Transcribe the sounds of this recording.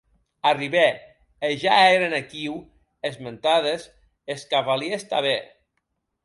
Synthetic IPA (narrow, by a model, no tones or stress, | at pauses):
ariβe | eʒaeɾenekiw | ezment̪aðes | eskaβaliest̪aβe